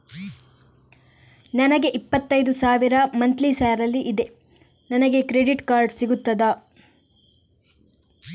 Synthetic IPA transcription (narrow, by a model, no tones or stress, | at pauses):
nɐnɐɡe̞ʔipːɐt̪ːɐjd̪usaːʋiɾɐmɐnt̪lisaːɾɐlːiʔid̪e̞ | nɐnɐɡe̞kɾe̞ɖiʈkaːɾɖsiɡut̪ːɐd̪a